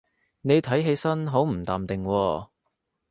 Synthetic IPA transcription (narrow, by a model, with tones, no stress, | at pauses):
ne˨˧jt̪ʰɐ˨˥jɦe˧jsɐ˥nɦo˨˥wm̩˨˩t̪aː˨mt̪ɪ˨ŋwɔː˧